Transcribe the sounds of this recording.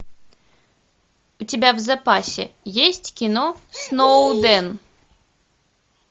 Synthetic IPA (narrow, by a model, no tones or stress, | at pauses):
ut͡sʲabʲawzapasʲɛ̰jesʲt͡sʲkʲinɔsnɔwd̪ɛn